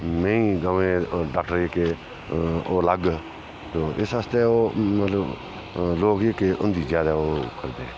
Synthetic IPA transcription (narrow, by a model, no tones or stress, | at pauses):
mẽːĩːɡəʋẽːɖaːkʈəɾeːke | oːləɡ | t̪oːʔɪsɦəst̪eːoːmət̪ləb | loːkekeʔʊ̃nd̪iːzjaːd̪aːoːkəɾd̪e